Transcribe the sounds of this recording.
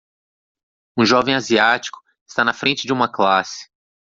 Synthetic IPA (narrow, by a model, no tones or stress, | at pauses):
ũʒɔvẽj̃aziat͡ʃi̥kʊ̥ | ɪst̪anɐfɾẽnt͡ʃɪd͡ʒɪũmɐklasɪ̥